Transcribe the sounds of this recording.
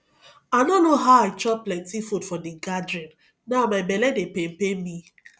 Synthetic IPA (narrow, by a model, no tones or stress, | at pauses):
anonoɦaʊaɪt͡ʃɔplɛntifutfɔdiɡadɾɛ̃n | namabɛlɛdepem̩pemi